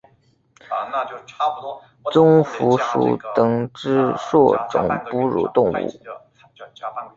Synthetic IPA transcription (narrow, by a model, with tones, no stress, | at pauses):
t͡sʊ˥ŋfu˧˥ʂṵ˨˩t̪ɤ˨˩ŋʈ͡ʂɻ̩˥ʂwɔ˥˩ʈ͡ʂʊ̰˨˩ŋpu˥ɻṵ˨˥t̪ʊ˥˧ŋṵ˥˩